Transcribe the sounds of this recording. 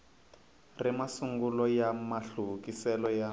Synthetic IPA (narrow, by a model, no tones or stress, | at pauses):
rimasuŋɡulɔjamaɬukisɛlɔja